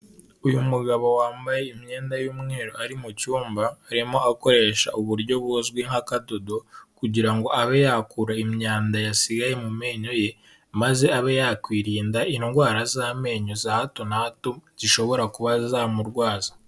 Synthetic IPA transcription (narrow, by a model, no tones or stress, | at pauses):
ujumuɡaβo̞waːmbajeimɲe̞ːndajuːmŋeːɾo̞aɾimucuːmbaːɾimo̞ako̞ɾe̞ːʃa̰ʔuβuɾɟo̞βozɡwiŋhakadodo̞kuɟiɾaŋɡo̞aβejakuɾaimɲaːndajasiɡaje̞mume̞ːɲo̞je̞ | maze̞aβejaːkwiːɾiːndaʔinŋɡwaːɾazaːme̞ɲozahato̞nahatuɟiʃo̞βo̞ɾakuβazaːmuɾɡwaːzḁ